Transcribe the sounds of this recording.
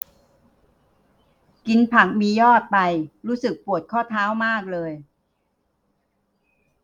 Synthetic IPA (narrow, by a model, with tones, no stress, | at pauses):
ki˧npʰa˨˩k̚miː˧jɔː˥˩t̪̚pa˧jɾuː˦˥sɯ˨˩k̚pu˨˩ət̪̚kʰɔː˥˩t̪ʰaː˦˥wmaː˥˩k̚lɤː˧j